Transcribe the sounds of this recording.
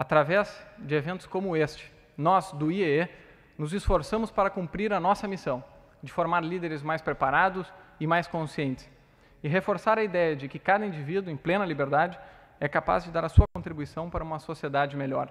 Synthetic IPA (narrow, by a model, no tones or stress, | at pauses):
at̪ɾavɛzd͡ʒɪevẽnt̪ʊ̥skõmʊest͡ʃɪ̥ | nɔzd̪ʊiɛ | nʊzɪsfoɾsɐ̃mʊspaɾɐkũmpɾiɾɐnɔsɐmisɐ̃w̃ | d͡ʒɪfoɾmaɾlid̪eɾɪzmajspɾepaɾad̪ʊsɪmajskõsiẽnt̪ɪ̥s | ɪɦefoɾsaɾɐid̪ɛjɐd͡ʒɪkɪkad̪ɐĩd͡ʒivid̪ʊẽj̃plẽnɐlibeɾd̪ad͡ʒɪ | ɛkapa̰zd͡ʒɪd̪aɾɐsuɐkõnt̪ɾibuisɐ̃w̃paɾɐũmɐsosied̪ad͡ʒɪmeʎɔ̰ɾ